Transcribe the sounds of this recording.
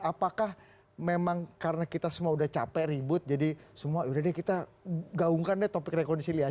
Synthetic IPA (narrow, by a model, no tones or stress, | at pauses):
apakah | memaŋkaɾənakit̪asəmuaudaht͡ʃapɛɾibʊt̪̚d͡ʒadisəmuaudadɛkit̪aɡauŋkandɛt̪opɪkrekɔndisilia